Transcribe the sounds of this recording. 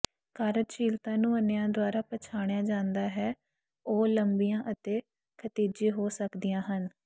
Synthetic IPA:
kaːɾət͡ʃiːlt̪ãːnũːənejãːd̪ʊaːɾaːpət͡ʃʰaːɽ̃jãːd͡ʒãːnd̪aːɦɛː | oːləmbijãːʔət̪eː | kʰət̪iːd͡ʒiːɦoːsəkd̪ijãːɦən

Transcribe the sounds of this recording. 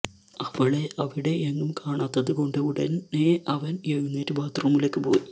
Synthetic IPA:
ɐʋɐɭeʔɐʋiɽe̞eŋːumkaːɳaːt̪ːɐðɨko̞ɳɖɨuɽɐneʔɐʋɐnjeɻunːeːɾɨbaːt̪rɐmilekːɨpo̞̰ːji

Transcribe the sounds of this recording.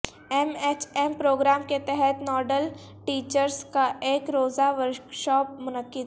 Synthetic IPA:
ɛmet͡ʃɛmpɾoːɡɾaːmket̪ɛɦɛt̪nɔːɖəl | ʈiːt͡ʃəɾskaʔeːkɾoːzaʋəɾkʃɔːp̚mʊnəkːɪd̪

